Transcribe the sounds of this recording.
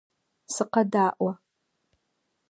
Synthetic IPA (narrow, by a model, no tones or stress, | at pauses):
sɨqadaːʔwa